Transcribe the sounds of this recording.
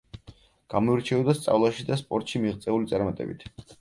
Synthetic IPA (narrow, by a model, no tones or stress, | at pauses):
ɡ̥amɔiɾt͡ʃʰɛɔd̪ast̪sʼa̰vlˠaʃid̪aspʼɔɾt̪ʼʃimiʁt̪sʼɛulit̪sʼaɾmat̪ʼɛ̰bḭt̪ʰ